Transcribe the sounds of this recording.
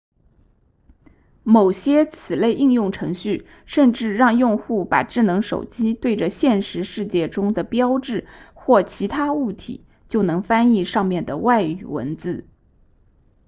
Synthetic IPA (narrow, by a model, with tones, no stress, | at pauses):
mo˨˩ʊɕjɛ˥t͡sʰɹ̩˨˩le˥˧ɪʔi˥˧ŋjʊ˥˩ŋʈ͡ʂʰɤ˧˥ŋɕy˥˩ | ʂə˥˧nʈ͡ʂɻ̩˥˧ɻɑ˥˧ŋjʊ˥˧ŋxu˥˩pa̰˨˩ʈ͡ʂɻ̩˥˩nɤ˧˥ŋʂo̰˨˩ʊt͡ɕi˥t̪we˥˩ɪʈ͡ʂə˩ɕjɛ˥˧nʂɻ̩˧˥ʂɻ̩˥˧t͡ɕjɛ˥˩ʈ͡ʂʊ˥ŋd̪ə˨pjɑ˥ʊʈ͡ʂɻ̩˥˩xwɔ˥˩t͡ɕʰi˧˥t̪ʰa˥u˥˩t̪ʰḭ˨˩˦ | t͡ɕjo˥˩ʊnɤ˧˥ŋfa˥ni˥˧ʂɑ˥˧ŋmjɛ˥˩nd̪ə˩wa˥˩ɪy̰˨˩wə̰˧˥nt͡sɹ̩˥˩